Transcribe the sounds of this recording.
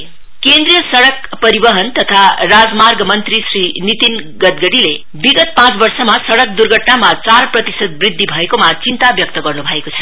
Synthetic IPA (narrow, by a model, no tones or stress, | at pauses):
kend̪rijʌsʌɽʌkpʌɾibʌɦʌnt̪ʌt̪ʰarad͡zmarɡmʌnt̪risrinit̪in | ɡʌd̪ɡʌɽile | biɡʌt̪̚pãt͡sbʌrsʌmasʌɽʌk̚d̪urɡʱʌʈnamat͡sarprʌt̪isʌd̪̚brid̪ʱːibʱʌekomat͡sint̪abjʌk̚t̪ʌɡʌrnubʱʌekot͡sʰʌ̥